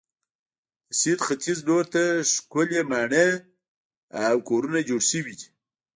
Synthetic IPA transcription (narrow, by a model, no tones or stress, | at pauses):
sid̪xat̪izdoɾt̪aʂkʊlemaːɳe | awkoɾunad͡ʒoɽsəwi